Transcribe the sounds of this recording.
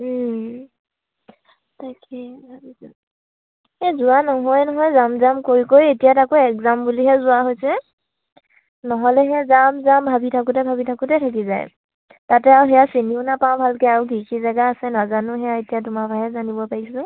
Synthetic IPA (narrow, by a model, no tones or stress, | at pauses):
tʰakɛbʱabi | hɛzʊwanɔɦɔjnɔɦɔjzamzamkoɹikojetijatakoɛkzambuliɦɛzʊaɦojsɛ | nɔɦɔlɛɦɛzamzambʱabitʰakʊtɛbʱabitʰakʊtɛtʰak̬iza̰j | tatɛawɦɛjasiniʊnapãw̃bʱalkɛaɹuɡʱikizaɡaːsɛnazanʊɦɛjaetijatʊmabʱajɛzanibɔpaɹisʊ̃